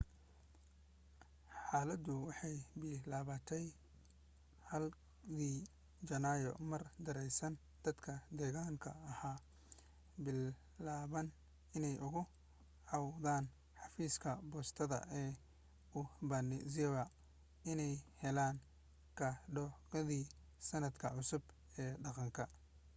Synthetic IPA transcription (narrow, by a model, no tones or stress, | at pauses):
ħɑːlɐd̪ʊwɑħɑjbɪlaːβɐt̪ʰɛj | hɐl | kiː | t͡ʃɐnaːjɔ̰mɐrd̪ɐɾɛjsɐn | d̪̥ɐd̪kʰɐd̪ɛːɣaːŋkʰɐːhaː | bɪlː | aːβɐn | ɪnɛjʔʊɣʊ | ʕɑwðaːn | ħɑfiːskʰɐbɔːst̪ʰɐðɐ̰ʔɛː | ʊbɐnɪziwɐ | ɪnɛjhɛlaːŋ | kʰɐɖɔɣɐðiː | sɐnɐd̪kʰɐʕʊsʊb | ɛːɖɑqɑŋkʰɐ